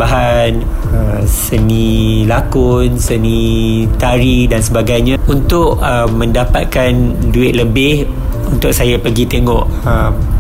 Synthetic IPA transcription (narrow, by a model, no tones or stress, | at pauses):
baɦan | əsənĩlakʊnsənĩt̪aɾidansəbaɡajɲãunt̪ʊʔəmːə̃ndapa̰t̪̚kanduɪt̪̚ləbɪh | unt̪ʊk̚sajapəɡit̪eŋɔʔəm